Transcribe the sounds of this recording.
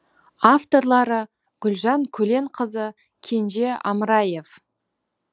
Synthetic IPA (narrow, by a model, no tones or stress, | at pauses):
aft̪o̞ɾlˠɑɾə | ɡ̥ʲʏlʒɑŋkʲʰɵle̞ɴqʰəzə | kʲʰe̞nʒe̞ɑ̰məɾɑje̞f